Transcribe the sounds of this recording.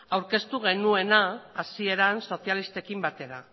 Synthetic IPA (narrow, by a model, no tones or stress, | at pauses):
awɾke̞st̪uɣ̞e̞nue̞naːsie̞ɾanso̞θjalist̪e̞kimbat̪e̞ɾa